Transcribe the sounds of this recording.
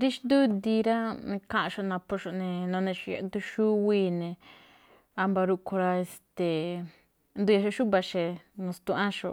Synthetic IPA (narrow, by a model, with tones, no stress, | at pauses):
ɾi˦ʃd̪u˦d̪i˧ɾã˦˧kã˦ʔã˧ʃo˧nã˧po˧ʃo˧nẽ˧nõ˧nẽ˧ʃo˧ja̰˧˦d̪u˧ʃu˦wiː˧˦nẽ˧ | a˧mba˧ɾu˧kʰo˧ɾa˧e˧st̪e˨ | nd̪u˧ja˧ʃo˧ʃu˦βa˧ʃe˧nũ˧st̪u˧ʔã˦ʃo̰˧˨